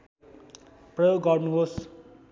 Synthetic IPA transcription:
prʌjoɡːʌrnuɦos

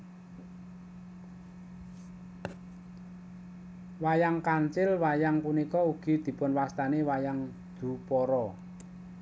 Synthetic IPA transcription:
wajaŋkaɲt͡ʃɪlwajaŋpunikɔuɡ̥i̤d̪̥i̤pʊnwast̪anewajaŋ | d̪̥ṳpɔɾɔ

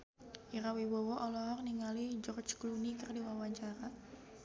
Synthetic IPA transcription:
ʔiɾawiwowɔʔɔlɔɦɔrniŋalid͡ʒɔrt͡ʃklunikərdiwawaɲt͡ʃaɾa

